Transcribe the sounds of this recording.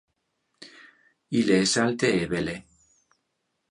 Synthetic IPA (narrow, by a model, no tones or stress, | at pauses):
ileesalt̪eeβele